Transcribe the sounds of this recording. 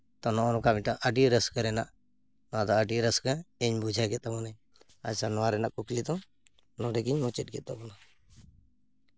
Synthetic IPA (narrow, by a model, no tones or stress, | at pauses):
t̪ɔnɔnɔ̃kamiʈaʔəɖiɾəskəɾɛnaʔ | nad̪ɔəɖiɾəskəɛɲbud͡ʒʱaɡɛt̪amɔnɛ | a̰sanɔaɾɛnaʔkuklit̪ɔ | nɔɖɛɡiɲmɔt͡ʃɛt̚ɡɛt̪̚ɔbɔna